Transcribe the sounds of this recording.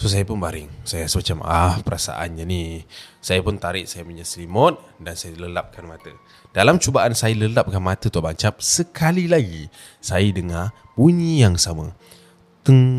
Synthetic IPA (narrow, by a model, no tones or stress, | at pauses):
sos̬ajapʊnbaɾɪŋsajasəmat͡ʃamahpəɾasa̰ʔa̰nɲanisajapʊnt̪aɾɪʔsajapəɲasəlimɔt̪̚dansajələlap̚kanmat̪ə | d̥alamt͡ʃubaʔansajaləlap̚kanmat̪ət̪uabaɲt͡ʃap̚səkʰalilaɡi | sajədəŋar | buɲijaŋsamə | t̪əŋ